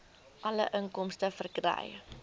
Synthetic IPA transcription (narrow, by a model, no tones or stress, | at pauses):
ʔɐləʔəŋkɔmstəfərkrɛ̰j